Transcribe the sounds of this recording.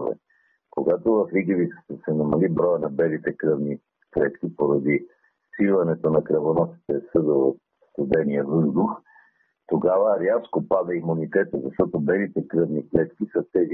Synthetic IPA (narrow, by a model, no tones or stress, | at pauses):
vɛ̰ | koɡat̪ovɐfɾiɡivit̪sə̥t̪əsɛnɐmɐlibɾɔjənɐbɛlit̪ɛkɾɤvni | klɛt̪k̟ipoɾɐd̪i | silˠɐnɛt̪onɐkɾɐvonɔsi̥t̪ɛsɤd̪əot̪ | st̪ud̪ɛniɛvɤzd̪ux | t̪oɡavəɾjaskopad̪ɐimunit̪ɛt̪əzɐʃt̪ɔt̪obɛlit̪ɛkɾɤvniklɛt̪kisət̪ɛzi